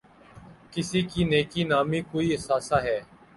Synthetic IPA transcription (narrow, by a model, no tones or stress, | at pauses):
kɪsiːkiːneːkiːnaːmiːkoːiːɪsaːsaːɦɛː